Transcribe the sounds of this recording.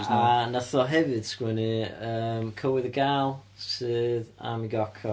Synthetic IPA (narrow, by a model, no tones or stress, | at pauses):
anaθɔɦɛvɨd̥skwɛnɨəːmkʰəwɨðəɡaːlˠ | sɨːða̰miɡɔkʰɔ